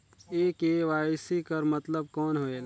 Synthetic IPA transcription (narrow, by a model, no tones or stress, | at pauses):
eːkeʋaːsikəɾmət̪ləb̚kɔːnɦoːel